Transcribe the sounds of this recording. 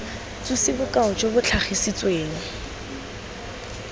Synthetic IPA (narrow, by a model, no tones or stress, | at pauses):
t͡susɪbʊkaʊt͡ʃʼobʊt͡ɬʰaχisit͡sweːŋ̩